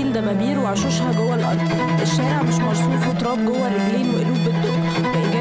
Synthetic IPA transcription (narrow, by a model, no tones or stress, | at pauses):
iːld̪æmæbiːɾweʕaʃoʃhæɡowːælʔɑ̰l | ʔeʃːæːɾeʕmeʃmɑɾsuːfiʔt̪ˤɾˤɑːb̚ɡowːælebliːnweʔeluːbbeb̚d̪o | æɡæ